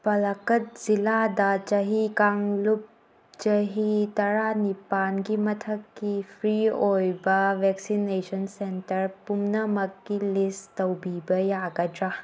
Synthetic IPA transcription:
pɐlɐkɐt̚z̥iladɐt͡ʃɐɦikaŋlup̚ | t͡ʃɐɦitɐɾanipanɡimɐtʰɐkːipʰɾiojbɐbek̚sinesʰɐnsentɐɾpumnɐmɐkːilistɐwbibɐjaɡɐdɾa

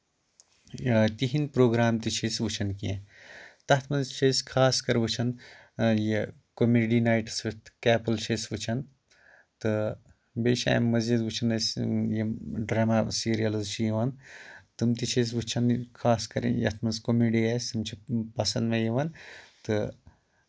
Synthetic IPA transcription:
t̪iɦinpɾoːɡɾaːmt̪it͡ʃʰesʋut͡ʃʰɐnkiẽt̪ɐt̪ʰmɐnzt͡ʃʰesʲkʰaːskɐɾʋɨt͡ʃʰɐn | je | komeːɖinaːjʈsʋɨt̪kɛːpɐlt͡ʃʰeːsʋut͡ʃʰɐn | t̪ɨ | beːʃa̰ːjmɐzd͡ʒid̪ʋut͡ʃʰɐnɐsʲjeɖɾaːmasiːɾijɐlɨzt͡ʃʰijiʋɐnt̪ɨmt̪it͡ʃʰes̬ʋut͡ʃʰɐnkʰaːskɐɾḭjɐ̰t̪ʰmɐnzkomiːɖiɐsʲt̪ɨmt͡ʃʰipɐsɐnd̪mejeʋɐnt̪ɨ

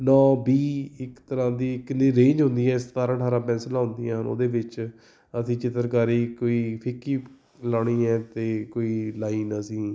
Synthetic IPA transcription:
nɔːbiːɪkt̪əɾãːd̪iːɪkniːɾẽːɲd͡ʒɦʊ̃nd̪iːɛ̃ːɪst̪aːɾãːʈʰaːɾãːpɛ̃ːnslãːɦʊ̃nd̪iːãːno̰ːd̪eːbɪt͡ʃ | əsĩːt͡ʃɪt̪əɾkaːɾiːkoːiːpʰɪkːiː | lɔːɽ̃iːɛ̃ːt̪eːkoːiːlaːiːnəsĩː

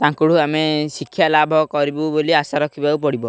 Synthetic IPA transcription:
t̪ãŋkuɽuamesikʰːjalabʱɔkɔɾibuboliasaɾɔkʰibaupɔɽibɔ

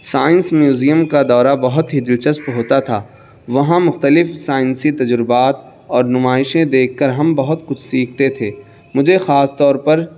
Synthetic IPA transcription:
saːɪ̃nsmjuːzijəmkad̪ɔːɾabɐɦʊt̪ɦid̪ɪlt͡ʃəspɦoːt̪at̪ʰaː | ʋɐɦãmʊxt̪əlɪfsaːɪ̃nsit̪ɐd͡ʒɾɪbaːt̪ | ɔːɾnʊmaːɪʃẽd̪eːkʰːɐɾɦɐmbɐɦʊt̪kʊt͡ʃʰsiːkʰt̪et̪ʰeː | mʊd͡ʒʱexaːst̪ɔːɾpɐɾ

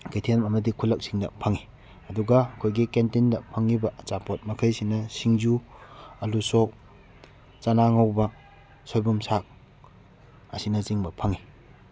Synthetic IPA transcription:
ketʰenmɐmɐdikʰulːɐk̚siŋdɐ̰pʰɐŋi | ɐduɡɐːkʰojɡikentindɐpʰɐŋːibɐʔːt͡ʃapot̚mɐkʰɐjsinɐsiŋd͡ʒuɐluso | t͡ʃanaŋawbɐ | sojbumsak̚ | ɐsinɐt͡ʃiŋbɐpʰɐŋi

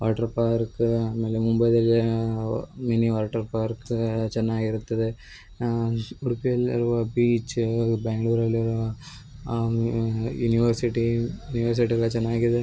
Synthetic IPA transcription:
ʋa̰ːʈɐɾpaːɾkaːmeːlemumbɐjd̪ɐlː | miniʋaːʈɐɾpaːɾkt͡ʃɛnːaːɡiɾut̪ːɐd̪e | uɽpijɐlḭɾuʋɐbiːt͡ʃbaːŋɡɭuːɾɐlːɾʋɐ | juniʋɐɾsiʈijuniʋɐɾs̬iʈiɡɐɭɐt͡ʃɛnːaːɡid̪e

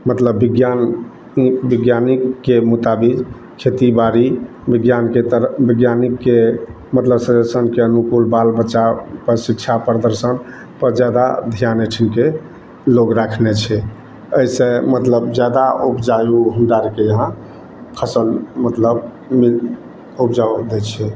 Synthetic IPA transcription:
mət̪ləbːiɡjan | biɡjanikːemut̪abid͡ʒ | kʰet̪ibaɾi | biɡjanket̪əɾbiɡjanikːe | mət̪ləbsədəsənkeənukulbalbət͡ʃapəɾsikt͡ʃʰapɾəd̪əɾsən | pəɾd͡ʒad̪a̰d̪ʱijanəʈʰinke | loɡɾakʰnet͡ʃʰɛ | əisẽmət̪ləbd͡ʒjad̪aubd͡ʒajuɦənɖ̪aɾkejəɦã | pʰəsəlmət̪ləb | mi | ubd͡ʒad̪et͡ʃʰɛ

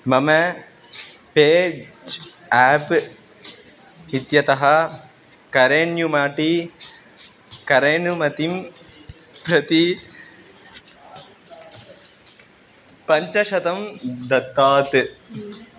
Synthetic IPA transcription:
mɐmɐ | peːd͡ʒ | aːp | it̪jɐt̪ɐɦɐ | kɐɾeːnjumaːʈi | kɐɾeːnumɐt̪im | pɾɐt̪i | pɐɲt͡ʃɐʃɐt̪ɐmd̪ɐt̪ːaːt̪ɨ

